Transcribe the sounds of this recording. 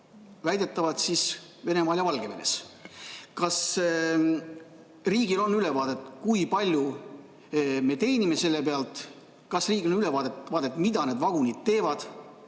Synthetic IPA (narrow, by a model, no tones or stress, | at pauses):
væjd̪et̪ːˑɑvɑd̪sisve̞ne̞mɑːjɑvɑlɡ̥e̞me̞ne̞̰s | kɑs | riːɡ̥ilo̞nːyle̞vɑːd̪̥e̞t̪ːˑkujpɑlʲju | me̞t̪e̞jnime̞se̞lːe̞peɑlt̪ˑ | kɑsriːɡionylevɑːd̪et̪vɑːd̪̥et̪ːˑmid̪̥ɑne̞d̪vɑɡ̥unid̪̥̚t̪e̞ːvɑd̪̥